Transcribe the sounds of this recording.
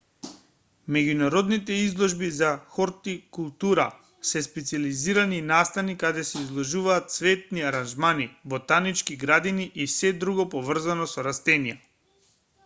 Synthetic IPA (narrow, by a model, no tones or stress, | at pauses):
mɛɟunaɾɔd̪nit̪ɛizlˠɔʒbizaxɔɾt̪ikulˠt̪uɾa̰ | sɛspɛt̪sializiɾaninast̪anikad̪ɛsɛizlˠɔʒuvaːt̪svɛt̪̚niaɾanʒmanibɔt̪anit͡ʃkiɡɾad̪iniʔisɛd̪ɾuɡɔpɔvr̩zanɔsɔɾast̪ɛnija